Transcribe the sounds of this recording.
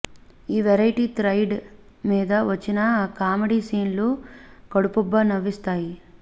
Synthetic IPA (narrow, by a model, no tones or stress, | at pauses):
iːʋɛɾɐjʈiːt̪ɾɐjɖ | miːd̪ɐʋɐt͡ʃːinɐkaːmɐɽiːsiːnlukɐɽupubːɐnɐʋːist̪aːji